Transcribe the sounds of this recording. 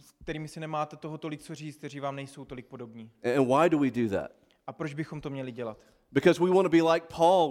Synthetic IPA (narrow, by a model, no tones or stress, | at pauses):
sk̚t̪ɛɾiːmɪsɪnɛmaːt̪ɛt̪oɦot̪olɪk̚t͡so̞riːt͡st̪̚t̪ɛɾiːvaːmnɛjso̞wt̪o̞lɪk̚po̞do̞bɲiːɨ̃nwaɪdəwidɨðæ̰t̚ | ʔapɾod͡ʒbɪxo̞mt̪omɲɛlɪɟɛlat̪ | b̥ɨkʌzwiwɑ̃nəbilaɪk̚pʰɔlˠ